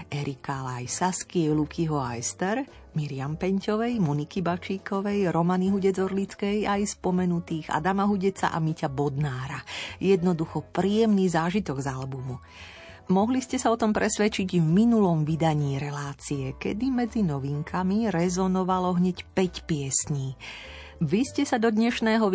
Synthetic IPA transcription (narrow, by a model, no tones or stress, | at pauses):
ɛɾikalajsaskiɛlukʰiɦɔajst̪ɛɾ | miɾiampɛɲcɔʋɛjmunikibat͡ʃiːkɔʋɛjɾɔmaniɦuɟɛd͡zɔɾlit͡skɛjajspɔmɛnut̪iːɣa̰d̪amaɦuɟɛt͡sa̰ʔa̰micabɔd̪naːɾajɛd̪nɔd̪uxɔpɾiːjɛmniːzaːʒit̪ɔɡzalbumu | mɔɦliscɛsaɔt̪ɔmpɾɛsʋɛt͡ʃiɟvminulɔmʋid̪aɲiːɾɛlaːt͡siɛkɛ̰d̪imɛd͡zinɔʋiŋkʰamiɾɛzɔnɔʋalɔɦɲɛcpɛcpɪɛsɲiː | ʋiscɛsad̪ɔd̪ɲɛʃnɛːɦɔ